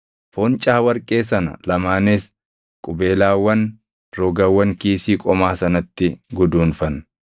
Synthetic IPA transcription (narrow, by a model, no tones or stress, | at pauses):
fɔnt͡ʃʼaːwɐɾkʼe̞ːsɐnɐ̰lɐmaːnes | kʼʊbeːlaːwːɐn | ɾɔɡɐwːɐŋkiːsiːkʼɔmaːsɐnɐt̪ːɪɡʊd̪uːnfɐn